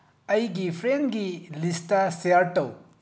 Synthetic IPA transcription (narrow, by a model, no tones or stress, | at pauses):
ɐjɡipʰɾenɡilistaseaɾʈɐw